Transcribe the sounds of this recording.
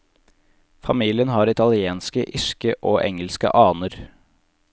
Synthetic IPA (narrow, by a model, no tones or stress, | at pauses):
fɑmiːlɪənhɑːɾɪt̪ʰɑlɪeːnskəʔɪʃkəʔoːʔɛ̰ŋəlskə̰ʔɑːnəɾ